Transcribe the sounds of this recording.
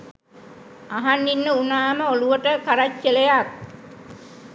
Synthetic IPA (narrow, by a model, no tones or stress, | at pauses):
aɦanːinːəunaːməoluʋəʈəkaɾat͡ʃːəlejak̚